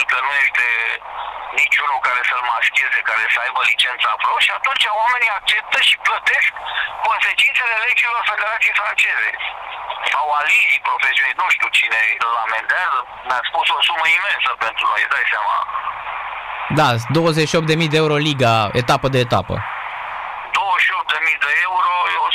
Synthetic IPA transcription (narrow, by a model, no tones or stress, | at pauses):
kənuje̞st̪e | nit͡ʃʲunukaɾe̞səlmaskʲe̞zekaɾesəajbəlit͡ʃent̪səapɾoʃiat̪unt͡ʃaoameniak̚t͡ʃe̞p̚t̪əʃiplət̪e̞skːo̞nse̞t͡ʃint̪selele̞d͡ʒilo̞rfed̪eɾat̪siejfɾant͡ʃe̞zḛ | sawalivipɾofesioninuʃt̪iuwt͡ʃine̞elament̪eazə | nat̪spusosuməime̞nsəpent̪ɾṵnojd̪asʲsama̰ | d̪ad̪o̞wəzeʃiopt̪̚d̪e̞mijd̪eeuɾo̞liɡaet̪apəd̪e̞ːt̪a̰pə̰ | d̪owəʃiop̪̚d̪e̞mijd̪eeuɾojeos